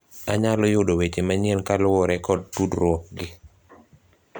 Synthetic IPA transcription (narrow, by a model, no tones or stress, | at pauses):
aɲalɔjʊdowet͡ʃemaɲienkalʊɔɾɛkɔd̚tudɾwɔk̚ɡɪ